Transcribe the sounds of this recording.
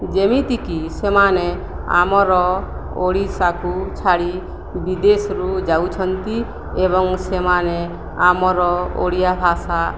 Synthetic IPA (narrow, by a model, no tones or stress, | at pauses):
d͡ʒemit̪ikisemane | a̰mɔɾɔ | oɽisakut͡ʃʰaɽi | bid̪esɾud͡ʒawt͡ʃʰɔnt̪i | eβɔŋsemane | amɔɾɔo̰ɽijabʱasa